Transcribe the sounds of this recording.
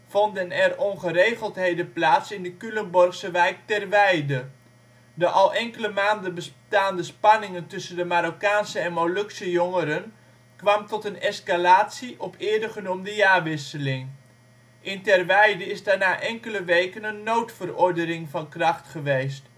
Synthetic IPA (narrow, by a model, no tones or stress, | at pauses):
v̥ɔndənɛrɔnχəɾejχəlˠtɦejdəplaːtsɪndəkylənbɔrχsəʋɛjk̚tɛrʋɛjdə | dəʔɑlˠʔɛŋkələmaːndənbəstaːndəspɑnɪŋəntɵsəndəmaɾokaːnsəɛnmolɵksəjɔŋəɾən | kʋɑmtɔtənɛskalaːtsiʔɔpʰɪːɹdəχənumdəjaːʋɪsəlɪŋ | ʔɪntɛrʋɛjdəɪzdaːɹnaːʔɛŋkələʋejkənənːowtfərɔɹdənɪŋvɑnkrɑχtχəʋejst